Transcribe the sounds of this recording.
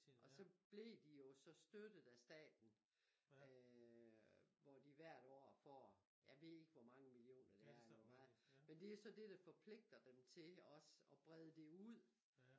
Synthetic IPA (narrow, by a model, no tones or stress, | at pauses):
ʔɒ̽sɒ̽b̥le̝d̥ijo̝sɒ̽sd̥ød̥ð̩ˠæsd̥ɛ̰ːd̥n̩ | ø | ʋɒd̥iʋæɐ̰ɾ̥ɒ̰ːfɒ̰ː | jæʋe̝ðˠe̝ɡ̥əʋɒmɑ̈ŋəmilio̝̰ːnɐd̥eæɐmɑ̈mend̥e̝osɒ̽d̥e̝d̥ɑ̈fɒ̽pʰle̝ɡ̥̚d̥ɐd̥emt͡sʰe̝lɒ̽sɒ̽b̥ʁɛð̞ˠəd̥e̝uð̰ˠ